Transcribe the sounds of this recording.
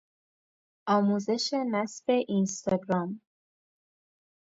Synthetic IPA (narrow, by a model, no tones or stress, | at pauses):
ʔɒːmuːze̞ʃenæsfe̞ʔinst̪ɒɡɾɒm